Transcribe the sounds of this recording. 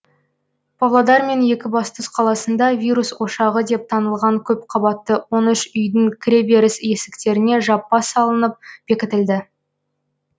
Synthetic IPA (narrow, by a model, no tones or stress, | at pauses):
b̥ɑvlˠɑd̪ɑɾme̞nje̞kʲɪbɑst̪əsqʰɑlˠɑsənd̪ɑvʲijɾuswo̞ʃɑʁəd̪e̞p̚t̪ʰɑnəlˠʁɑŋkʲʰɵpqʰɑbɑt̪ːəwo̞nʏʃʏjd̪ɪŋkʲʰɾe̞be̞ɾɪsje̞sɪ̥kt̪e̞ɾɪne̞ʒɑpːɑsɑlˠənəp̚b̥e̞kʲɪt̪ɪld̪ɪ